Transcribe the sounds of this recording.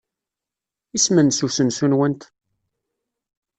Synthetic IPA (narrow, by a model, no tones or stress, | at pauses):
ismənsusənsunwənt̪